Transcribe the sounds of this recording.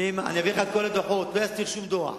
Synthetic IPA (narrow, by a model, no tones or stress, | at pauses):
imaa̰nijaviχalkolad̪oħot̪vejast̪iʁʃumd̪oa̰